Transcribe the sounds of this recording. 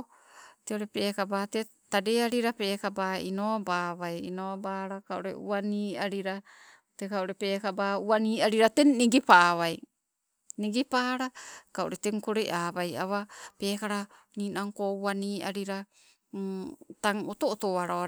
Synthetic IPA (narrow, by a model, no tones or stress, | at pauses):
teoɾe̞pe̞ːkabaːte | tadeaɾiɾape̞ːkabainobaːβajḭnobaɾakao̰ɾḛṵaniːaɾiɾa | tekaoɾepeːkabaːuaniːaɾiɾatenniɡipaːβaj | niɡipaːɾakaʔoɾe̞teŋkoɾejʔaːβaja̰βape̞ːkaɾa | niːnaŋkouaniːaɾiɾa | taŋotootoaɾaa